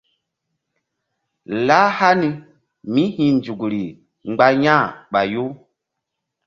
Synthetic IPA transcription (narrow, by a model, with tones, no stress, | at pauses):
la˦ha˦ni˦ | mĩ˦hĩ˨nd͡ʒu˨ɡɾi˨ | ŋ͡mɡ͡ba˦jã˦˨ɓa˨jo˦